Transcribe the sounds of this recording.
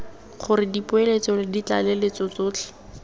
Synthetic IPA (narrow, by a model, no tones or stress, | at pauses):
χʊɾɪdipʊelet͡sɔlɪdit͡ɬa̰lelet͡sɔt͡soːt͡ɬʰɛ̥